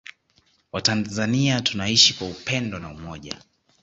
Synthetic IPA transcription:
watanzaniatunaiʃikwaupɛndɔnaumɔʄa̰

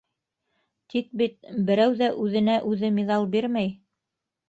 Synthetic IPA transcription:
t̪ʰik̚bit̪̚bɘ̆ɾæwðæʔʉðɘ̆næʔʉðɘmiðɑlˠbiɾmæj

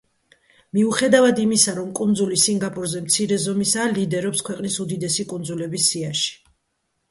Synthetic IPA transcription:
miuχɛd̪avad̪imisaɾɔmkʼund̪zulisiŋɡapʼuɾzɛmt̪sʰiɾɛzɔmisaːlid̪ɛɾɔpskʰwɛqʼnisud̪id̪ɛsikʼund̪zulɛbisːiaʃi̥

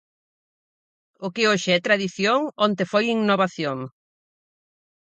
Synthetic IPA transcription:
ʊkɪoʃɪɛt̪ɾaðiθjoŋont̪efojiŋnoβaθjoŋ

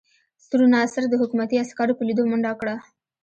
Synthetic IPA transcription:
st̪uɾunasaɾd̪əɦʊkumat̪iaskɑɾopəlid̪omʊɳɖakɽa

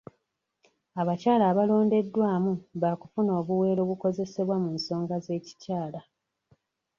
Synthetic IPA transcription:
aβacaːlaːβalo̞ːnde̞dːwaːmuβaːku̥funo̞ːβuwe̞ːɾo̞ːβuko̞ze̞se̞βwamuːnso̞ːŋɡaze̞ːci̥caːla

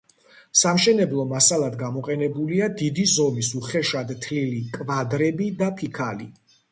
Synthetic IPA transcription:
samʃɛnɛblˠɔmasalˠad̪ɡamɔqʼɛnɛbuliad̪id̪izɔmisuχɛʃad̪t̪ʰlilikʼvad̪ɾɛbid̪apʰikʰalḭ

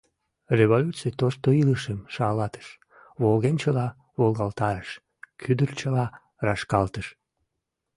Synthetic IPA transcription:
reβolʲut͡sijt̪oʃt̪oiləʃəmʃɑlɑt̪ə̥ʃ | βolɣenʲt͡ɕəlɑ | βolɣɑlt̪ɑɾəʃ | kʰyd̪ərt͡ɕəlɑ | rɑʃkɑlt̪əʃ

